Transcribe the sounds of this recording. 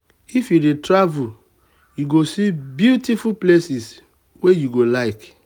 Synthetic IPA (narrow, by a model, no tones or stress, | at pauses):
ifjudetɹavul | juɡosibjutifuplesis | wejuɡolaɪk